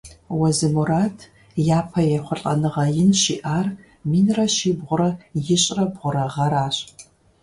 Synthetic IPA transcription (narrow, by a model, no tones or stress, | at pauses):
wɐzɨmuɾaːtʰ | jaːpʰɐjɛχʷʊɬʼɐ̰nɨʁɐjɪnʃiʔaːr | miːnrɐʃiːbʁʷʊɾɐjɪɕʼrɐbʁʷʊɾɐʁɐɾaːɕʼ